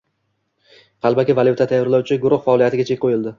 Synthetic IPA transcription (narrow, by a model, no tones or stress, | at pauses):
qʰɑlˠbakʲavalˠjut̪ʰat̪ʰajɒɾlawt͡ʃʰɪɡʊɾʊχfaɒːlijat̪ʰɪɡʲat͡ʃʰe̞kʲqʰojɪlˠd̪ɪ